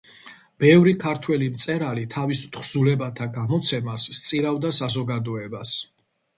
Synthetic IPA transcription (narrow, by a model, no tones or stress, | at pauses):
b̥ɛvɾikʰaɾt̪ʰwɛlimt̪sʼɛɾalit̪ʰavist̪χzulɛbat̪ʰaɡamɔt̪sʰɛmasːt̪sʼiɾavd̪asazɔɡad̪ɔɛbas